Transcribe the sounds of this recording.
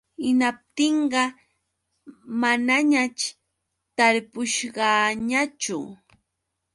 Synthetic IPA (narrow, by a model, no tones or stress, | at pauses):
ɪnap̚t̪ɪɴɢɑ | manaɲat͡ʃ | t̪aɾpʊʃɢɑɲat͡ʃʊ̰